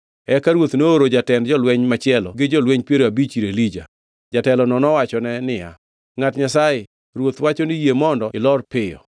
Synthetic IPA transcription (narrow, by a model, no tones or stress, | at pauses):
ɛkaɾwot̪noːɾod͡ʒatɛndd͡ʒɔlwɛɲmat͡ʃɪɛlɔɡɪd͡ʒɔlweɲpjeɾoabit͡ʃiɾelid͡ʒa | d͡ʒatɛlɔnɔnɔwat͡ʃɔnɛnɪja̰ | ŋatɲasajɪ | ɾwot̪wat͡ʃonɪjemɔndɔɪlɔrpɪjɔ̰